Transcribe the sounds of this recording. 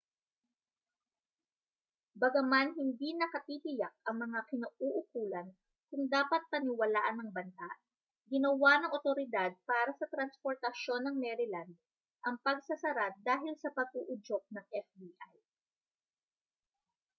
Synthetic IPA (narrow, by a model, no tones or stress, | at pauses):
bɐɡɐmanɦɪnd̪inɐkɐt̪iːt̪ɪjak̚ɐŋmɐŋakɪnɐuʔʊkuːlɐn | kʊŋd̪aːpɐt̪̚pɐnɪwɐlaːʔɐnɐŋbɐnsaʔ | ɡɪnɐwanɐŋʔot̪o̞ɾɪd̪ad̪̚paːɾɐsɐt̪ɾɐnspo̞ɾt̪ɐʃo̞nːɐŋmɛɾɪland̪̚ | ʔɐŋpɐɡsɐsɐɾad̪aːɦɪlsɐpɐɡ̚uʔʊd͡ʒok̚nɐŋʔɛfd̪iʔaj